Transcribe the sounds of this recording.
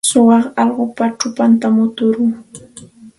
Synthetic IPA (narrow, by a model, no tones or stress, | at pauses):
sʊwɑχɑʎɢʊpaʈ͡ʂʊpant̪amʊt̪ʊɾʊŋ